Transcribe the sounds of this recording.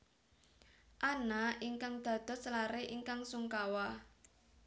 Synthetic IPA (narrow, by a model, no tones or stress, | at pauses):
ʔanaʔiŋkaŋd̪̥ä̤d̪̥ɔ̤slaɾeʔiŋkaŋsuŋkawa